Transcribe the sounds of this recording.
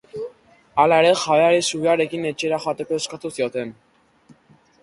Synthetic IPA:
alaeɾe̞xaβeaɾisuβeaɾe̞kine̞t͡ʃeɾaʝat̪e̞ko̞e̞skat̪usio̞t̪e̞n

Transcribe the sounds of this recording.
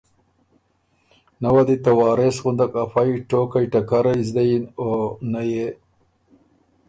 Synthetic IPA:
nawad̪it̪awɑːɾesɣund̪akafajiʈokajʈakaɾajzd̪ajonaje

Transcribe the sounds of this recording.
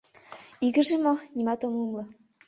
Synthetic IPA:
iɡə̆ʒemonʲimɑt̪omumlɤ̆

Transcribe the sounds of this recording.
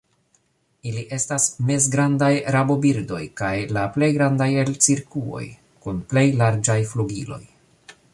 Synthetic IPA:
iliʔe̞stasme̞zɡɾandajɾabo̞biɾdo̞̰jkajlaple̞jɡɾandajelt͡siɾkuo̞̰j | kunple̞jlaɾd͡ʒajfluɡilo̞̰j

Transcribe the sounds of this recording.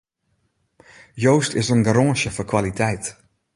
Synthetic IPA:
jowstɪsənɡaɾɔ̃ːʃəfɔkʰwalitʰɛjt

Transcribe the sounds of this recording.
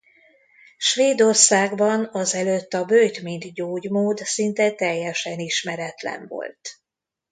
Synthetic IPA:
ʃʋeːd̪o̞rsaːɡbɒnɒzɛløt̪ːɒbøjt̪mind̪ɟoːɟmoːd̪sint̪ɛt̪ɛjːɛʃɛniʃmɛɾɛt̪lɛ̰ɱvo̰lt̪

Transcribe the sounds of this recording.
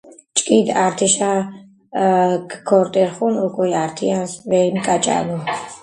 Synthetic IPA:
t͡ʃʼkʼid̪aɾt̪ʰiʃa | kkʰɔɾt̪ʼɛɾχunukʼujaɾt̪ʰiansvɛɾimkʼat͡ʃʼa̰nu

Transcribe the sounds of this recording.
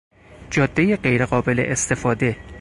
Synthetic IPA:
d͡ʒɒːd̪̥ːejeɢejɾeɢɒːbe̞lḛʔest̪e̞fɒːd̪e̞

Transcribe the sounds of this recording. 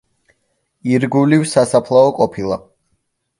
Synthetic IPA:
iɾɡulivsasapʰlˠaɔkʼɔpʰilˠa

